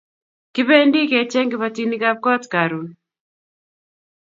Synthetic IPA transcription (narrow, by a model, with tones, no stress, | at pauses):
kɪ˦βe˦ndi˦ke˨t͡ʃɛ˦ŋɡɪ˨βa˨ti˦ni˦ka˦p̚kɔ˦tka˨ɾu˨n